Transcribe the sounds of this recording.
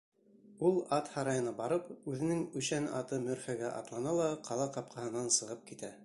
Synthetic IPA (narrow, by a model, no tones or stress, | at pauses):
ulˠɑt̪hɑɾɑjɤ̆nɑbɑɾɤpʉðɘ̆nɘŋɵʃænɑ̰t̪ɤmɵ̆ɾfæɡæʔɑ̰t̪lˠɑnɑlˠɑqʰɑlˠɑqɑp̚qʰɑhɤ̆nɑnsɤ̆ʁɤp̚kit̪æ